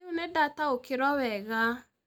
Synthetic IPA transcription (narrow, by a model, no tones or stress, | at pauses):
onɛdataokeɾɔwɛɣa